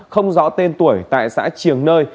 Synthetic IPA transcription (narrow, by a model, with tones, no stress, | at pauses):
xə˧wŋ͡mzɔ̰˧˥t̪e˧nt̪u˧˩əjt̪a̰ː˧˨jsa̰ː˧˥t͡ɕi˧˨˩əŋnəː˧j